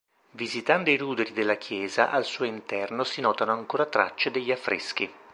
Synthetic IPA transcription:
vizit̪and̪oiɾuːd̪eɾid̪elːakʰjɛːza̰ʔalsuːoint̪ɛrnosinɔːt̪anoaŋkoːɾat̪ɾa̰t͡ʃːed̪eʎːiafːɾʔḛsk̟i

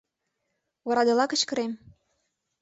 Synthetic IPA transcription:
βɑɾɑd̪ɤ̆lɑkə̆t͡ɕkə̆ɾem

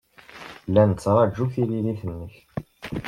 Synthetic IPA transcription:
lːænt͡sːɾˤɑd͡ʒːuθililiθənːəç

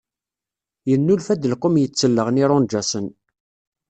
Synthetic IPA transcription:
jənːulfæd̪əlqːʊmjət͡sːəlːəʁniɾʊnd͡ʒæsən

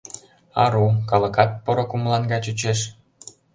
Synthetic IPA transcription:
ɑɾukɑlɤ̆kɑt̪̚pɤ̆ɾŏkumlˠɑnɡɑt͡ɕut͡ɕeʃ

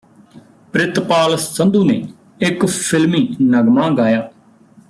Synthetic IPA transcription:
pɾɪt̪paːlsə̃nd̪uːnḛː | ɪkpʰɪlmiːnəɡmãːɡaːjaː

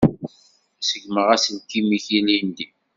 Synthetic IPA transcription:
səʝməʁæsənkimiçilind̪i

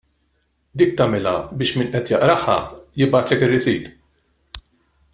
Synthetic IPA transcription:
d̪iːk̚t̪ɐmɛlɐbɪːʃmɪːnʔɛt̪jɐʔɾɐħːɐ̰jɪbɐːt̪lɛkɪrːɪsiːt̪

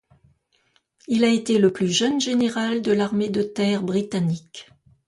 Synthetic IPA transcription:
ilaet̪eləplyʒənʒeneʁald̪əlaʁmed̪ət̪ɛʁbʁit̪anik

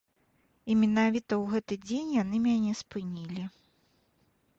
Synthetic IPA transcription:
imʲinavʲit̪ɐwɣɛt̪ɨd͡zʲenʲjanɨmʲanʲɛspɨnʲilʲi

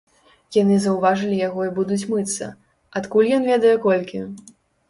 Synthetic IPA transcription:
janɨzɐwvaʐɨlʲijaɣɔibud̪ut͡sʲmɨt̪sːɐ̰ | at̪kulʲjɔnvʲɛd̪ɐjɛkɔlʲkʲi

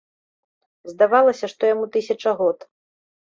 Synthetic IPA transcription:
zd̪avalˠɐsʲɐʂt̪ɔjamut̪ɨsʲɐt͡ʂɐɣɔt̪

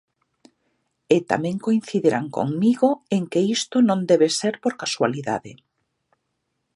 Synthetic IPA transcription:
ɪt̪a̰mẽŋkoinθiðeɾaŋko̰ŋmiɣoeŋkeist̪onõnd̪ɛβeseɾpoɾkaswaliða̰ðɪ̰

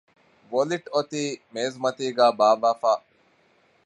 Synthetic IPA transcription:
ʋoliʈot̪iːmeːzmɐt̪iːɡæːbaːʋaːfaː

